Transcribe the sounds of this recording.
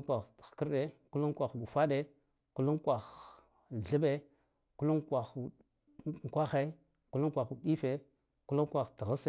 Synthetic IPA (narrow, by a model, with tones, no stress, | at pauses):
kʷa˨xkə˦ɾɗe˦ku˦lu˦ŋ˦kʷa˨xɡu˨fa˦ɗe˦ | ku˦lu˦ŋkʷa˨x | ɮə˦be˦ | ku˦lu˦ŋkʷa˨x | ŋ˨kʷa˦xe˦ | ku˦lu˦ŋ˦kʷa˨xu˨ɗi˦fe˨ | ku˦lu˦ŋkʷa˨xtə˨ɣə˦se˦